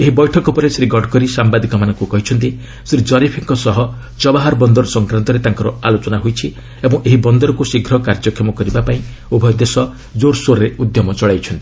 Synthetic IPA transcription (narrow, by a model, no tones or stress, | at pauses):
eɦibɔjʈʰɔkɔpɔɾesɾiɡɔɖkɔɾisambad̪ikɔmanɔ̃ŋkukɔɦit͡ʃʰɔnt̪i | sɾid͡ʒɔɾipʰiŋkɔsɔɦɔ | t͡ʃɔbaɦaɾbɔnd̪ɔɾɔsɔŋkɾant̪ɔɾet̪aŋkɔɾɔalot͡ʃɔnaɦojt͡ʃʰi | ebɔŋʔeɦibɔnd̪ɔɾɔkusiɡʱɾɔkaɾd͡ʒɔkʰɔmɔkɔɾibapaĩ | ubʱɔjɔd̪esɔ | d͡ʒoɾsoɾɔɾeud̪jɔmɔt͡ʃɔɭajt͡ʃʰɔnt̪i